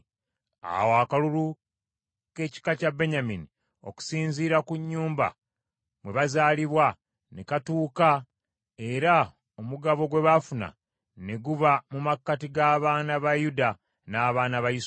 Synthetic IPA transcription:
a̰woakalulu | ke̞ːci̥kacabe̞ɲamini | o̞̰ku̥siːnziːɾakuɲːuːmba̰ | mwe̞βazaːliβwa | nekatuːka | e̞ɾa | o̞muɡaβo̞ɡwe̞βafuna̰ | ne̞ɡuβamumakːatiɡaːβaːnaβajuda | naːβaːnaβajis

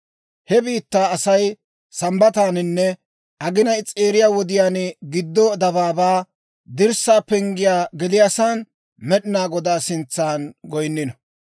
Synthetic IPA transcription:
hɛbiːt̪ːaːɐsɐj | sɐmbɐt̪aːnɪnːɛ | ʔɐɡɪnɐjt͡sʼeːɾɪjaːwɔd̪ɪjaːnɡɪd̪ːɔd̪ɐbaːbaː | d̪ɪɾsaːpɛŋɡɪjaːɡɛlɪjasaːn | mɛɗɪnaːɡɔd̪aːsɪnt͡sːaːnɡɔjnːɪnɐ

